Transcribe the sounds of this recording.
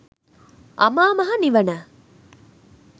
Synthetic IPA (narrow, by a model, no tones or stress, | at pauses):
ʔɐmaːmɐɦɐniʋɐna